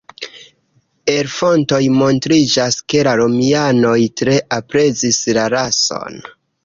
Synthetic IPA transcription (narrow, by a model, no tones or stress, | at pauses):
e̞ɾfo̞nto̞jmo̞ntɾid͡ʒaske̞laɾo̞miano̞jtɾe̞ʔapɾe̞zislaɾaso̞̰n